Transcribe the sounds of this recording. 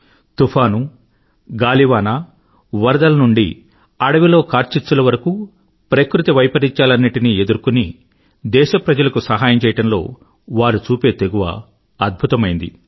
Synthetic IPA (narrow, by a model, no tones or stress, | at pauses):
t̪upʰaːnu | ɡaːliʋaːnaː | ʋɐɾɐd̪ɐlɐnuɳɖḭ | ɐɽɐʋilo̞ːkaːɾt͡ʃit͡ʃːsulɐʋɐɾɐku | pɾɐkɾut̪iʋɐjpɐɾiɲt͡ʃaːlɐnːiʈinie̞d̪uɾkuni | d̪ɛːʃɐpɾɐd͡ʒɐlɐkusɐɦaːjɐmt͡ʃɛːjɐʈɐmlo̞ː | ʋaːɾut͡ʃuːpe̞ːt̪e̞ɡuʋɐ̰ | ɐd̪̚bʱut̪ɐmɐjind̪ḭ